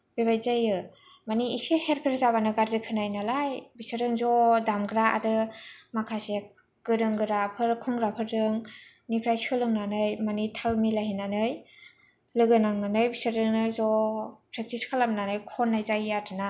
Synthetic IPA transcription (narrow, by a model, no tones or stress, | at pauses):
b̥eβajzajɯ | maniiseheɾpʰiɾzaβanɯɡaɾzɯkʰɯnajnalajbisɯɾɯŋzɔdamɡɾaa̰ɾɯmakʰase | ɡ̥ɯɾɯŋɡɯɾapʰɯɾkʰɔŋɡɾapʰɯɾdɯŋ | nipʰɾajsɯlɯŋnanɯjmanitʰalmilaɦinanɯj | lɯɡɯnaŋnanɯjbisɯɾɯŋɯzɔpʰɾep̚tiskʰalamnanɯjkʰɔnːajzajatʰɯna